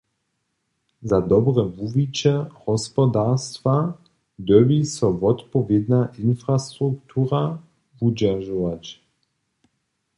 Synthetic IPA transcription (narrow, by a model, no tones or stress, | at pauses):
zad̪ɔbʁɛvuvit͡ɕɛhɔspɔd̪ast̪va | d̪øwisɔvɔt̪pɔvjɛd̪naʔinfɾast̪ɾukt̪ʰuːɾa | vud͡ʑaʒɔvat͡ɕ